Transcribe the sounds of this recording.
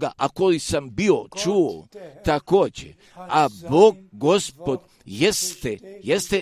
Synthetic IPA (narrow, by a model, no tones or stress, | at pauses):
ɡaʔakojisambiot͡ʃuːot̪akoːd͡ʑḛ | aboːɡ̚ɡospod̪ | jest̪ejest̪e